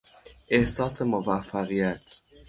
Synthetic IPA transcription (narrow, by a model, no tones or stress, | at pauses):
ʔehsɑːsemovæfːæɣijæt̪ʰ